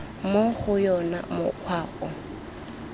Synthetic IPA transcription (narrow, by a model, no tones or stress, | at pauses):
moχʊjɔna̰mʊ̰q͡χʰwaːʔɔ